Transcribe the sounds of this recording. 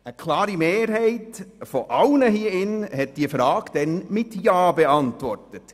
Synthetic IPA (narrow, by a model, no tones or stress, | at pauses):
əkʰlɑːɾimeːɾhɛɪtfɔʔɑlnəɦiːəɪnhɛt̚d̥iəfɾɑːɡ̥d̥ɛnmɪtjɑːbeɑntʋɔrtət